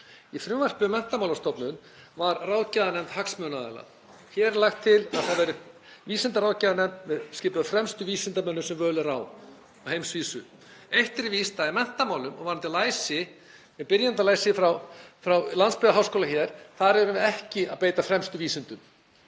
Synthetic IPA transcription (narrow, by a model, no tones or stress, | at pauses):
ifɾʏmvar̥pʏmɛn̥t̪amawlaɾst̪ɔpnʏnvaɾrawcaðanɛmt̪haksmœːnaɛ̰la̰ | çɛɾlaxt̪ʰːɪlaðθaðvɛːɾɪ | viːsɪnt̪aɾaːwcaðanɛmt̪mɛðskcɪːpʏðafɾɛmst̪ʏviːsɪnt̪amœnːʏsɛmvœːlɪɾaw | ahejmsviːsʏ | ejht̪ɪɾɪvist̪aɪmɛn̥t̪amaːwlʏmɔ̰ɣvaɾnant̪ɪlaːjsɪ | mɪðpɪɾjant̪alaːjsɪfɾawfɾawlanspɪɾðaɦawskoːlaçɛɾ̥θaðɾɛɾʏmvɪðɛhcɪa̰ðpeːjt̪afɾɛmst̪ʏviːsɪnt̪ʏm